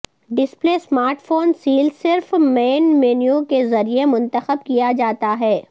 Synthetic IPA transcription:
ɖɪspleːsmaːɾʈfoːnsiːlsɪɾfmeːnmeːnijũkezɐɾiemʊ̃nt̪əxəb̚kijad͡ʒaːt̪aɦɛː

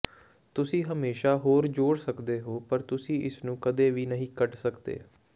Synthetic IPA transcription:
t̪ʊsĩːɦəmeːʃaːɦoːɾd͡ʒoːɽsəkd̪eːɦoːpəɾt̪ʊsĩːʔɪsnũːkəd̪eːʋiːnəɦĩːkəʈsəkd̪ḛː

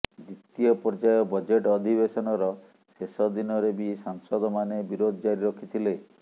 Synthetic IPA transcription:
d̪it̪ijɔpɔɾd͡ʒajɔbɔd͡ʒeʈɔd̪ʱibesɔnɔɾɔ | sesɔd̪inɔɾebisaŋsɔd̪ɔmanebiɾod̪ʱɔd͡ʒaɾiɾɔkʰit̪ʰile

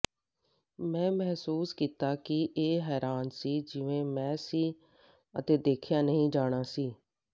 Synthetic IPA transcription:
mɛ̃ːmɛɦsuːskiːt̪aːkɪʔeːɦɛːɾaːnsiːd͡ʒɪʋẽːmɛ̃ːsiː | ə̰t̪eːd̪eːkʰjaːnəɦĩːd͡ʒaːɽ̃aːsiː

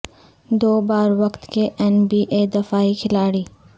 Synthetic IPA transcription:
d̪oːbaːɾwɐkt̪keʔɛnbiːʔeːd̪ɐfaːikʰɪlaːɽiː

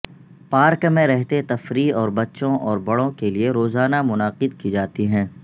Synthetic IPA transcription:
paːɾkmẽɾɛɦt̪et̪ɐfɾiɔːɾbɐtːʃõʔɔːɾbɐɽõkelieɾoːzaːnamʊnaːqɪd̪kid͡ʒaːt̪iɦɛ̃ː

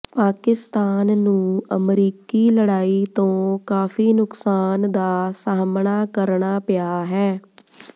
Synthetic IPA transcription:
paːkɪst̪aːnːũːəmɾiːkiːləɽaːiːt̪õːkaːfʰiːnʊksaːnd̪aːsaːmɳaːkəɾɳaːpɪjaːɦɛː

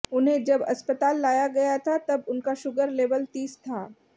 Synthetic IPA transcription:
ʊnɦẽd͡ʒɐbɐ̰spət̪aːlːaːjaɡɐjat̪ʰat̪ɐbʊnkaʃʊɡəɾleːʋəlt̪iːst̪ʰaː

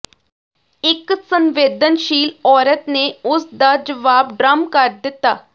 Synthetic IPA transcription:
ɪksənʋeːd̪ənʃiːlɔːɾət̪neːʊsd̪aːd͡ʒəʋaːbɖɾəmkəɾd̪ɪt̪ːaː

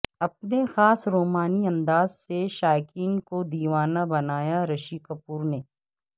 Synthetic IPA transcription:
ɐp̚nexaːsɾoːmaːniɐ̃nd̪aːzseʃaːkɪŋkod̪iːʋaːnabɐnaːjaɾɐʃikɐpuːɾneː

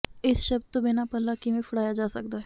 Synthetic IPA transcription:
ɪsʃɐb̪t̪obɪnapəlːakimẽpʰʊɽaːjad͡ʒaːsək̚d̪aːɦɛ

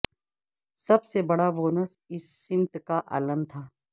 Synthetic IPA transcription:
sɐbsebɐɽaboːnəs | ɪsːɪ̃mt̪kaʔa̰ːləmt̪ʰaː

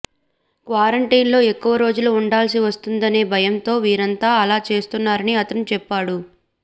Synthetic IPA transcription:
kʋaːɾɐɳʈiːnlo̞ːekːuʋɐɾo̞ːd͡ʒuluuɳɖaːls̬iʋɐst̪und̪ɐne̞ːbʱɐjɐnt̪o̞ːʋiːɾɐnt̪aːɐlaːt͡ʃe̞ːst̪unːaːɾɐniɐt̪ɐnut͡ʃɛpːaːɽu

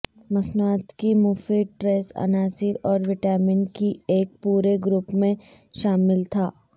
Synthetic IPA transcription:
mɐsnaːt̪kimuːfiʈɾeːsɐ̰naːsɪɾɔːɾʋɪʈɛːmɪnkieːk̚puːɾeɡɾʊpmẽ | ʃaːmɪlt̪ʰaː

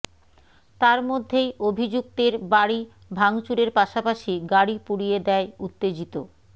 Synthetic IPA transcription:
t̪aɾmod̪ʱːejobʱid͡ʑuk̚t̪eɾbaɽi | bʱaŋt͡ɕuɾeɾpaʃapaʃiɡaɽipuɽijed̪ɛeut̪ːed͡ʑit̪o

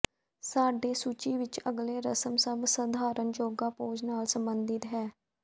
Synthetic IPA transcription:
saːɖeːsut͡ʃiːʋɪt͡ʃəɡleːɾəsəmsəbsəd̪ʱaːɾənd͡ʒoːɡaːpoːd͡ʒnaːlsəmbənd̪ɪt̪ɦɛː

